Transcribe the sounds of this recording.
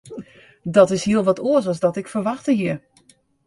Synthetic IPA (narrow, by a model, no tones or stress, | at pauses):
dɔtɪshiəlˠʋɔtʰoəs̬ɔlˠzdɔtɪkfərʋaxtəɦiə